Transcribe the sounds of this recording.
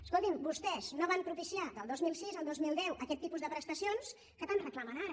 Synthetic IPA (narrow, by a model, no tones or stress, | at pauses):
skolˠt̪imbust̪ɛz̥noβampɾupisiad̪əlˠd̪ozmilˠsizəlˠd̪ozmilˠd̪ɛwʔəkɛt̪ːipuzðəpɾəst̪əsions | kət̪anrəklamənaɾə